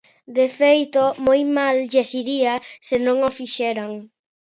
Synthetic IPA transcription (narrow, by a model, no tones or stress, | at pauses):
d̪efejt̪omojmalʎesiɾiasɪnõŋofiʃɛɾaŋ